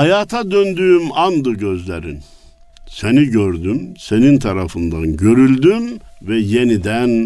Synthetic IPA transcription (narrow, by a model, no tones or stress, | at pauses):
hajaːt̪ʰad̪ønd̪yːmand̪ɯɟøzlʲeɾḭn | seniɟøɾd̪ymsenint̪ʰaɾafɯnd̪anɟø̞ɾylʲd̪ymvɛjenid̪æn